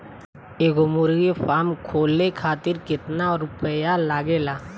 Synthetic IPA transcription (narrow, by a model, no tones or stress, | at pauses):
eːɡomʊɾɡifaːmkʰoːlekʰaːt̪ɪɾkɪt̪naɔɾʊpəjalaːɡeːlaː